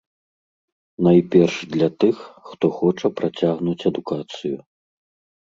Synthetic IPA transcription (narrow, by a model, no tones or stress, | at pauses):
najpʲɛrʂd̪lʲɐt̪ɨxːt̪ɔxɔt͡ʂɐpɾat͡sʲaɣnut͡sʲɐd̪ukat̪sɨju